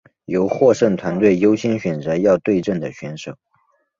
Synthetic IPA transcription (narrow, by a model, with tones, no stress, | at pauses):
jo˧˥ʊxwɔ˥˧ʂə˥˩ŋt̪ʰwa˧˥nt̪we˥˩ɪjo˥ʊɕɛ˥nɕɥɛ˨˩nt͡sə˧˥jɑ˥˧ʊt̪we˥˧ɪʈ͡ʂə˥˩ŋd̪ə˩ɕɥɛ˧˥nʂo˨˩˦ʊ